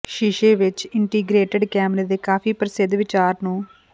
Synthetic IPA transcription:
ʃiʃeːʋɪt͡ʃɪɳʈiːɡɾeːʈeɖkaːmned̪ekaːfipɾɐsɪd̪ʱʋɪt͡ʃaːɾnu

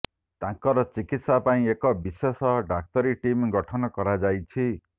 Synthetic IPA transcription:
t̪ãŋkɔɾɔt͡ʃikit̪sapaĩekɔbisesɔɖak̚t̪ɔɾiʈimɡɔʈʰɔnɔkɔɾad͡ʒajt͡ʃʰi

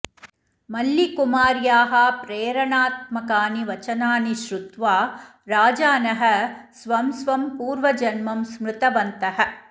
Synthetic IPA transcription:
mɐlːikumaːɾjaːɦɐpɾeːɾɐɳaːt̪̚mɐkaːniʋɐt͡ʃɐnaːniʃɾut̪ʋaː | ɾaːd͡ʒaːnɐɦɐ̆sʋɐmsʋɐmpuːɾʋɐd͡ʒɐnmɐmsmɾɪt̪ɐʋɐnt̪ɐɦɐ̆

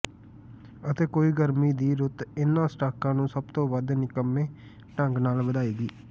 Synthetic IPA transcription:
ət̪eːkoːiːɡəɾmiːd̪iːɾʊt̪ɪnːãːsʈaːkãːnũːsəb̚t̪õːʋəd̪nɪkəmːẽː | ʈəŋɡnaːlbəd̪aːiːɡiː

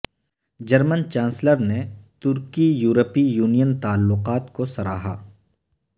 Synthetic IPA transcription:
d͡ʒɐɾmənt͡ʃãːnsləɾnet̪ʊɾkijuːɾəpijuːnijənt̪aːlːʊqaːt̪kosɐɾaːɦa̰ː

